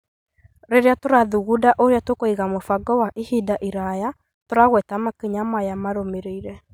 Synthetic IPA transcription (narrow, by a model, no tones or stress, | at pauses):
ɾeɾeatoɾaðuɣudaʔoɾeatokoiɣamofaɡɔwaʔihidaʔiɾaja | toɾaɣwɛtamakiɲamajamaɾomeɾeiɾɛ